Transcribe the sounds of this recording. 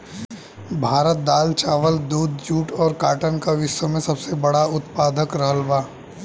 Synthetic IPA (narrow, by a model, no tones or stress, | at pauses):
bʱaːɾət̪̚d̪aːlt͡ʃaːʋəld̪uːd̪ʱjuːʈɔːɾkaːʈənkaʋɪʃwəmẽsɐbsebɐɽaʊt̪paːd̪ʱəkɾɐɦəlʋaː